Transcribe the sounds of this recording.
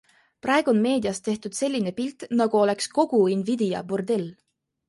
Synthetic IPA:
prʔɑe̞ɡ̥uo̞nme̞ːd̪iɑst̪e̞ht̪ud̪̥se̞lʲːine̞pilt̪ˑnɑɡ̥uo̞le̞ksko̞ɡ̥uinvid̪̥ijɑ̰bord̪e̞l

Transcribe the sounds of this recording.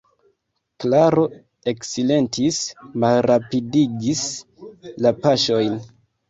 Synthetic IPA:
klaɾo̞ | e̞ksile̞ntismalɾapidiɡis | lapaʃo̞jn

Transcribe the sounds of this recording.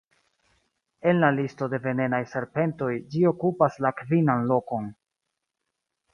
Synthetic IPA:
e̞nlalisto̞de̞ve̞ne̞najse̞ɾpe̞nto̞jd͡ʒio̞kupaslakvinanlo̞ko̞n

